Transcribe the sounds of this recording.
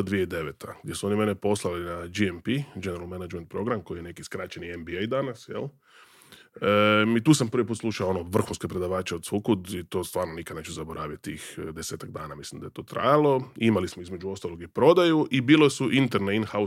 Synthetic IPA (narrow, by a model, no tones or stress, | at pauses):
d̪ʋijeid̪e̞ʋet̪ʰaɡd̪je̞suo̞nimenepo̞slˠalinad͡ʒiempid͡ʒeneɾalmenad͡ʒment̪̚pɾo̞ɡɾamko̞jijene̞kiskɾaːt͡ʃeniembiejd̪anasjḛlˠ | əmit̪uːsampr̩ʋipuːt̪slˠuʃaoonoʋr̩xunske̞pɾe̞d̪aʋaːt͡ʃeod̪sukud̪it̪o̞ːst̪ʋaːɾnonikad̪neːt͡ʃuzaboɾaːʋjit̪̚ʲt̪ːḭxd̪eseːt̪aɡ̚d̪aːnamislimd̪ajet̪oːt̪ɾa̰jalˠo̞imalismoizmed͡ʒuo̞st̪alo̞ɡipɾo̞d̪ajuʔibiːlosuʔint̪eɾneinxau